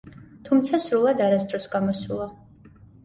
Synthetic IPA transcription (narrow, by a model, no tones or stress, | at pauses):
t̪ʰumt̪sʰasɾulˠad̪aɾasd̪ɾɔsɡamɔsulˠa